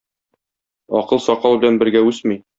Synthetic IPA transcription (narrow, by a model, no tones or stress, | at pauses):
ɒ̰qɤlˠsɒqɑlˠbɘ̆lænbɘ̆ɾɡæʉsmij